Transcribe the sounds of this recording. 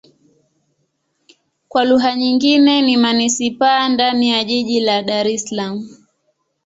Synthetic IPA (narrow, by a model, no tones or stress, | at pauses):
kwaluɦaɲiŋɡinɛnimanisipandanijaʄiʄilaɗaɾɛslamu